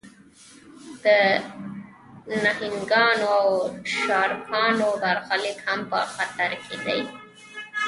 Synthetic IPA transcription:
d̪̥ə | nahɪŋɡɑnoawʃɑɾpʰɑnob̪aɾxalɪkhampə̰xat̪aɾkʰed̪a̰j

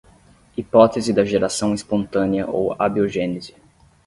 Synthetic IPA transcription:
ipɔt̪ezɪd̪ɐʒeɾasɐ̃w̃ispõnt̪ɐ̃niɐʔo̰wabioʒẽnɪzɪ

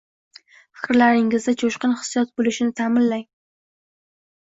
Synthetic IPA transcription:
fɪ̥kʲɾlaɾɪŋɪzd̪at͡ʃʰoʃqɨnhɪ̥sjɒt̪̚bolɪʃɪnɪt̪ʰamɪnlaŋ

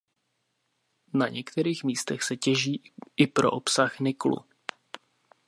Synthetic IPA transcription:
naɲɛkt̪ɛɾiːxmiːst̪ɛxsɛcɛʒiːʔɪpɾo̞ʔopsaxnɪklṵ

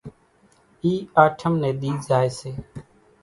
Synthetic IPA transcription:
iːaːʈʰəmnẽːɗ̪iːd͡ʒaːeːseː

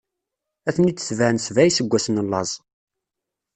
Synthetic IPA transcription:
æθənit͡sːə̥θvænsvæjsəɡʷːæsənəlːɑzˤ

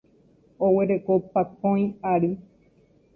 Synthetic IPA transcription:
oweɾekopapõj̃aɾi

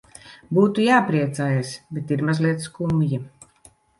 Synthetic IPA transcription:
buːt̪ujaːpɾiɛt̪saːjasbet̪iɾmazliɛt̪skumji

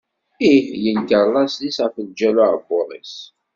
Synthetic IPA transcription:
ihjənkəɾˤlɑsðisæfəld͡ʒælubʊɾˤḭs

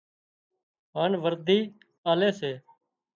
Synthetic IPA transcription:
ɦaːnʋəɾd̪ʱiː | aːleːseː

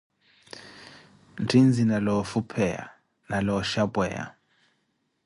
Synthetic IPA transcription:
ntʰind͡zʱinalɔfupʰɛa̰ | nalɔʃabʼwɛ̰ːa̰

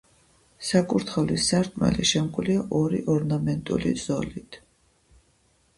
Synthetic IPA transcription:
sakʼuɾt̪ʰχɛvlisaɾt̪ʰmɛ̰liʃɛmkʼliaʔɔɾiʔɔɾnamɛnt̪ʼṵliz̥ɔ̰lit̪ʰ

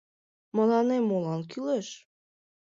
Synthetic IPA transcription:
mɤ̆lɑnemːolɑnkyleʃ

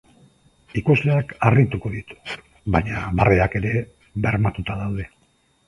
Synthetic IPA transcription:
ikozleakarit̪uko̞ðit̪u̥ | βaɲaβareake̞ɾe̞ | βe̞ɾmat̪ut̪aðawð̞e̞

